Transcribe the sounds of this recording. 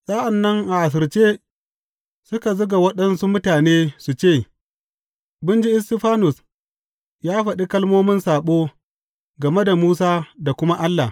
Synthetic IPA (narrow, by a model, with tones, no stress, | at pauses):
sʼaː˦ʔa˨nːɐ˦ŋʔa˨ʔa˨s̬ɪ˨ɾt͡ʃeː˦ | sʊ˦ka˨zʊ˦ɡa˨wɐ˦ɗɐ˦nsu˦mʊ˦taː˨neː˦su˨t͡ʃeː˦˨ | bʊ˦nd͡ʒi˦ʔɪ˦stɪ˦ɸaː˦nʊ˨s | jaː˦ɸɐ˨ɗi˦kɐ˦lmoː˦mɪ˦nsaː˨ɓoː˦ | ɡɐ˨me˦da˨muː˦s̬aː˦da˨kʷʊ˦ma˦ʔa˦lːa˨